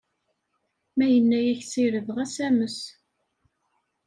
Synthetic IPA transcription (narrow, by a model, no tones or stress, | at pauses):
mæjənːæjæçt͡siɾəvʁæsæməs